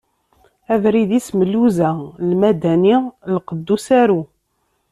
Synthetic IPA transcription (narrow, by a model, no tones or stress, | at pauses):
ævɾiðisməlːuzælmæd̪ænilqəd̪ːusæɾu